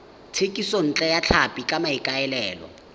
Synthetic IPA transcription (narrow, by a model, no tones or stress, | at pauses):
tʰekʼison̩t͡ɬʼɛjat͡ɬʰapʼikʼamaikʼaɛlɛːlɔ̰